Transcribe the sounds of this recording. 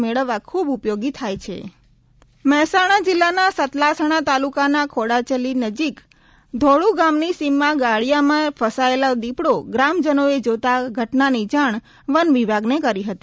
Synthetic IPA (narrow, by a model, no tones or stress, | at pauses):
meɭəʋːakʰubupjoɡit̪ʰajt͡ʃʰḛ | məɦɛsaɽ̃ad͡ʒɪlːanasət̪lasəɽ̃at̪alukanakʰoɽat͡ʃəlinəd͡ʒik | d̪ʱoɭuɡamnisimːãɡaɭjamãpʰəsaelad̪ipɽoɡɾamd͡ʒənoed͡ʒot̪aɡʱəʈnanid͡ʒaɳ̃ | ʋənʋibʱaɡnekəɾiɦət̪i